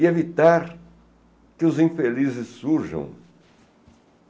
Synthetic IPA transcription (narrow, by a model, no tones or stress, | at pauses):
ɪevit̪aɾ | kɪʊzĩfelizɪsːuɾʒɐ̰̃w̃